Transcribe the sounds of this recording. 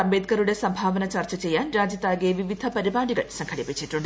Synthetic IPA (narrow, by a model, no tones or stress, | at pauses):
ɐmbeːd̪kɐɾuɽe̞sɐmbʱaːʋɐnɐt͡ɕaːrt͡ɕɐt͡ɕe̞jːaːnɾaːd͡ʑjɐt̪ːaːɡijeʋiʋid̪ʱɐpɐɾibaːɽiɣɐ̰ɭsɐŋkʰɐɽipːit͡ɕːiʈːuɳɖ